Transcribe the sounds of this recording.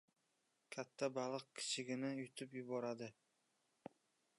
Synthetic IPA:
kʲʰat̪ʰːabalˠɨq̚kʲʰɪ̥t͡ʃʰɪɡʲɪnɪjʊt̪ʰʊpjʊbɒɾad̪ɪ

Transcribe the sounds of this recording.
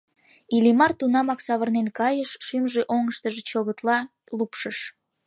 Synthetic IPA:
ilimɑrt̪unɑmɑksɑβərnenkɑjəʃːymʒeʔoŋəʃt̪əʒet͡ɕoβət̪lɑ | lupʃəʃ

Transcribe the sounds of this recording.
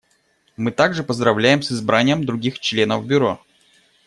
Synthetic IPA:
mɨt̪aɡʐɨpəzd̪ɾɐvlʲæjɪmsɨzbɾʔanʲɪjəmd̪ɾʊɡʲixt͡ɕlʲe̞nəvbʲʊɾo

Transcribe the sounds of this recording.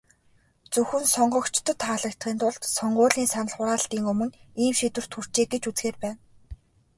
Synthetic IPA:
t͡sɵxɘ̆nsɔɴɢɞ̆kt͡ɕʰt̪ʰɞ̆t̪ʰːaːɮə̆kt̪χiːnt̪ʊɮt̪sɔɴɢʊːɮiːnsanə̆ɮχʊɾaːɬt̪iːŋɵmɵ̆niːmʃit̪wɘ̆r̥t̪ʰxur̥t͡ɕeːɡet͡ɕut͡sxeːrpæːn

